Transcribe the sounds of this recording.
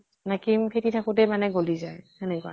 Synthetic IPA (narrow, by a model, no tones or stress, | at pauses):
nakimpʰetitʰakʊtɛmanɛɡolizajhɛnɛkɔa̰